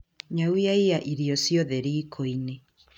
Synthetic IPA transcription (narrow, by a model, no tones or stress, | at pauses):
ɲawiaiaʔiɾiɔsiɔðɛɾiːkʰoine